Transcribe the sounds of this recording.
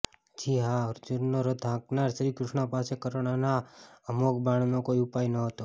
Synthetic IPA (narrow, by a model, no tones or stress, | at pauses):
d͡ʒʰiɦaɾd͡ʒuɾnoɾod̪ʱãknaɾʃɾikɾʊʃɳapasekəɾoɽ̃anaəmokbaɳ̃nõkoiupajnəɦət̪o